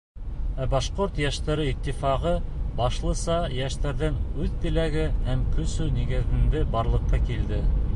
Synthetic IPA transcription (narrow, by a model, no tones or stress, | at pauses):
æbɑʃqoɾt̪jæʃt̪æɾɘit̪ːifɑʁɤbɑʃlˠɤ̆sɑjæʃt̪æɾðɘŋʉðt̪ɘ̆læɡɘhæmkɵ̆sʉniɡɘ̆ðɘ̆nd̪ɘbɑɾlˠɤ̆qːɑkild̪ɘ